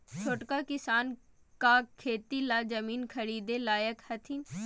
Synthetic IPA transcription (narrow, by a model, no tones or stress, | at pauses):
t͡ʃʰoʈkakɪsaːn | kakʰːeːt̪ilaːd͡ʒəmiːnkʰəɾiːd̪elaːjəkhɐt̪ʰin